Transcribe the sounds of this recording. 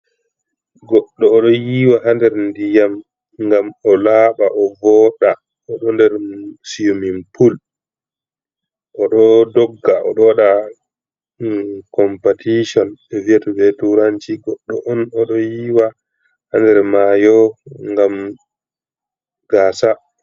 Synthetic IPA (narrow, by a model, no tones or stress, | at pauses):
ɡɔɗːɔːɗɔjiːwaɦandɛɾndijam | ŋɡamɔlaːɓaʔɔvɔɗa | ɔɗɔndɛɾsijumimpul | ʔɔɗɔdɔɡːaɔ̰ɗɔwaɗa | kɔmpatiʃɔnɛviatɔbɛtuɾaɲt͡ʃiɡɔɗːɔʔɔnɔɗɔjiːwa | handɛɾmajɔŋɡam | ɡaːsa